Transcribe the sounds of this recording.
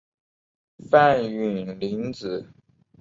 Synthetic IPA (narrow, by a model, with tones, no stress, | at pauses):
fa˥˩ny˨˩nli˧˥nt͡sɹ̩˨˩˦